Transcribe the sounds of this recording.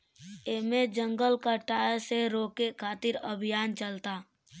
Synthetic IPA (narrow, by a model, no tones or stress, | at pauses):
emẽd͡ʒə̃ŋɡəlkaʈaːseɾoːkekʰaːt̪ɪɾəbʱɪjaːnt͡ʃəlt̪aː